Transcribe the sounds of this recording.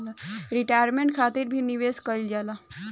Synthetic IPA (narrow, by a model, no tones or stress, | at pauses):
laɾiʈajɾmẽɳʈ̚kʰat̪iɾbʱiniʋeskəjld͡ʒala